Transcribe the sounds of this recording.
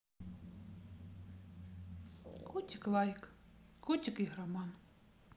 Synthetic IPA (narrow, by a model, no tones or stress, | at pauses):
kʰutʲiklˠɑjk | kutʲikiɦɾamɑn